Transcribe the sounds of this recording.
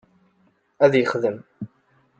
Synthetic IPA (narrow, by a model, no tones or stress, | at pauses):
æðjəχðəm